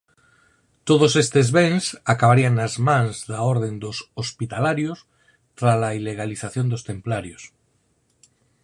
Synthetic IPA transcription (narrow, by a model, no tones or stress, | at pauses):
t̪oð̞osest̪e̞zβensakaβaɾiaŋːazmãnzðaoɾð̞ẽ̞nd̪osospit̪alaɾjos | t̪ɾalaileɣ̞aliθaθjo̞nd̪ost̪ẽ̞mplaɾjos